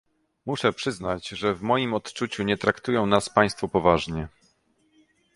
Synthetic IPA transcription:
muʂɛpʂɘznad͡ʑʐɛvmɔjimɔt̪t͡ʂut͡ɕuɲɛt̪ɾakt̪ujɔ̃w̃naspaj̃st̪fɔpɔvaʐɲɛ

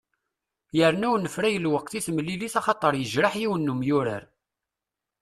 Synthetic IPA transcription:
jəɾnæwnəfɾæjəlwəqθiθmlːiliθɑχɑt̪ˤːəɾˤjəʒɾaħjiwənːumjʊɾa̰ɾ

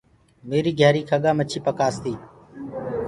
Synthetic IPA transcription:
meːɾiːɡʱjaːɾiːkʰəɠaːmət͡ʃʰiːpəkaːst̪iː

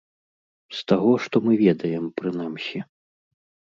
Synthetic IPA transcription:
st̪aɣɔʂt̪ɔmɨvʲɛd̪ɐjɛmpɾɨn̪amsʲi

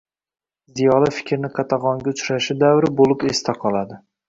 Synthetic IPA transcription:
zijɒlafɪ̥kʲʰɾnɪqʰɑt̪ʰɑʁɒŋɡʲaʊt͡ʃʰɾaʃɪd̪avɾɪbolˠɪpest̪ʰaqʰɒlˠad̪ɪ

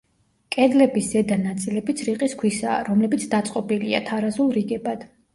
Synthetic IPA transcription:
kʼɛd̪lɛbisz̥ɛd̪anat̪sʼilɛbit̪sʰɾiqʼiskʰwisa̰ːɾɔmlɛbit̪sʰd̪at̪sʼqʼɔbilia̰t̪ʰaɾazulˠɾiɡɛbad̪̥

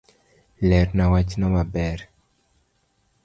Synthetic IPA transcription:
lɛɾnawat͡ʃnɔmabɛɾ

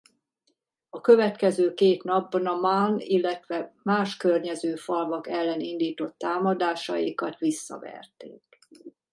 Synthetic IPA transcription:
ɒkø̞vɛt̪kɛzøːkeːt̪nɒbːɒnɒmanilːɛt̪ʋɛmaːʃkørɲɛzøːfɒlvɒkɛlːɛnind̪iːt̪o̞t̪ːaːmɒd̪aːʃɒ̰jḭkɒt̪ʋisːɒ̰vɛ̰rt̪ḛːk

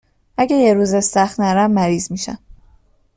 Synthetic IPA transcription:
ʔæɟejeɾuːzest̪æxt̪næɾæmːæɾiːzmiːʃæ̰m

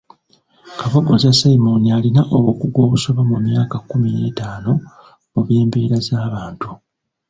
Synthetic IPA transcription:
kaβoɡozasaimo̞nialinaʔoβwo̞ːkuɡwo̞ːβuso̞βamumjaːkakːumijeːtaːno̞ | muβjeːmbiːɾazaːβaːntu

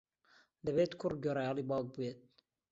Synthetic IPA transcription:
d̪ɛbeːt̪kʰʊr̚ɡøɾɑjɑːliːbɑːɡ̚bujet̪̚

